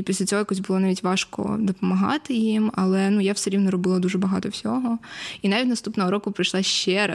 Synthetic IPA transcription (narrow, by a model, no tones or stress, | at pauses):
ipʲisʲlʲɐt͡sʲɔɦɔjakɔsʲbʊlˠɔnaʋʲitʲʋɑʃkɔ̰d̪ɔpɔmɐɦɑ̰t̪ɪjimɐlˠɛnujawsɛɾʲiwnɔɾɔbɪlˠɐd̪uʒɛbɐɦɑt̪ɔwsʲɔɦɔinaʋʲitʲnɐst̪upnɔɦɔɾɔkʊpɾɪjʃlˠaʃt͡ʃɛɾɐ